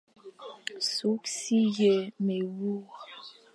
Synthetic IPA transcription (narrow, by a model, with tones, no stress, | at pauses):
su˨˦ksi˦je˨me˨wu˦